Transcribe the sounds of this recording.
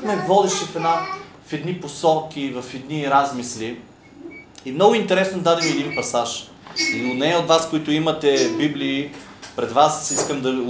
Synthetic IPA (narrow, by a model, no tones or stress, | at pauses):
mɛvɔd̪ɛʃɛfɛna | fɛd̪niposɔlˠkʲivɐfɛd̪niɾazmisli | imnɔɡʊint̪ɛɾɛsnod̪ad̪ɛmiɛd̪inpɐsaʃ | ʊnɛjəot̪vaskoit̪ʊimɐt̪ɛbibliːpɾɛd̪vasiskəmd̪ɐ